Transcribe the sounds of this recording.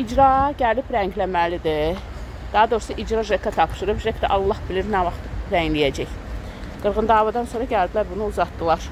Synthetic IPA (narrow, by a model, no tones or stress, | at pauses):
id͡ʒɾɑɟælipɾæɲɟlæmælid̪i | d̪̥ɑɦɑd̪o̞ɾsɑʔid͡ʒɾɑʒekʰːæt̪ʰɑpʃɯɾɯpʒekʰd̪æʔɑlˠːɑhbiliɾnævɑχt̪ɾæɲlijæd͡ʒæç | ɡ̥ɯɾɣɯnd̪ɑːvɑd̪ɑnsoːɾɑɟæld̪ilæɾbunuuzɑt̪d̪ɯlˠɑɾ